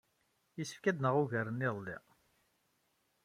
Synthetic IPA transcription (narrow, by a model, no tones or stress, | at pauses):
jəsə̥fkæd̪nəʁuʝæɾəniðˤlːḭ